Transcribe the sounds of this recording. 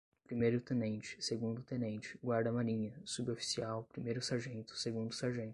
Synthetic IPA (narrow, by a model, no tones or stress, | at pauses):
pɾimejɾʊt̪ẽnẽnt͡ʃɪ̥seɡũnd̪ʊt̪ẽnẽnt͡ʃɪ̥ɡwaɾd̪ɐmaɾĩɲɐsubofi̥siawpɾimejɾʊsaɾʒẽnt̪ʊ̥seɡũnd̪ʊsaɾʒẽnt̪ʊ̥